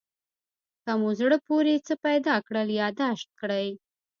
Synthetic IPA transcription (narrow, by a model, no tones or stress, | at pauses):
kamozɽəpoɾet͡səpajd̪ɑkɽəljɑd̪aʃt̪̚kɽəj